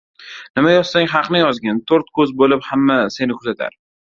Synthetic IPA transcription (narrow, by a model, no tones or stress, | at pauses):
nɪmajɒz̥saŋɦɑqnɪjɒzɡʲant̪ʰoɾt̪kʰɵzbolɪphamːase̞nɪkʰʊzat̪ʰa̰ɾ